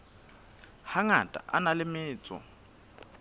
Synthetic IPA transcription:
haŋatʼa̰ʔa̰nalɪmɪːt͡sʼɔ̰

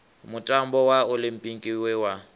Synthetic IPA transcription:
mʊtʼam̩bɔwaolim̩pʼiŋ̩kʼiwewa

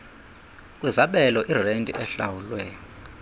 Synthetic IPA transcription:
kʼuzaɓɛlɔʔirentʼḭʔɛɬawulwɛ

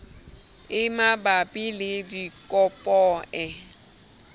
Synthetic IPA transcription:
ɪmabapʼilɪdikʼɔpʼɔːɛ

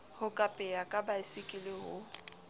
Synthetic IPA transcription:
hʊkʼapʼɛakʼabaɪsɪkʼɪlɪɦʊ

